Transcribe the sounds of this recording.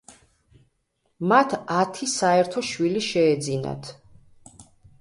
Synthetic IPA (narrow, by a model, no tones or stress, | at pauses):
mat̪ʰat̪ʰisaɛɾt̪ʰɔʃwiliʃɛːd̪zina̰t̪ʰ